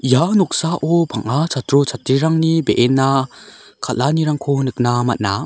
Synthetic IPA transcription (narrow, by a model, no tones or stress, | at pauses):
janɔk̚saʔɔbʱaŋat͡ʃatɾɔt͡ʃʰatɾiɾaŋnibeʔenːakʰatlaniɾaŋkʰɔnɯk̚namat̚na